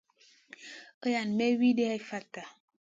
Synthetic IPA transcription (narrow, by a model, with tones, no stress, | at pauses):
ə˦ja˨n˨me˦wi˦de˦a˦i˦fa˦ta˨